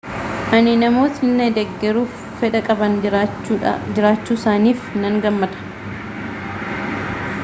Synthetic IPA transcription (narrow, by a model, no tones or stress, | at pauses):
ʔɐnɪnɐmo̞ːt̪ɪnːɛd̪ɛɡːɛɾuːfːɛᶑɐkʼɐbɐn | d͡ʒɪɾaːt͡ʃːuːsaːniːfnɐŋɡɐmːɐd̪ɐ̥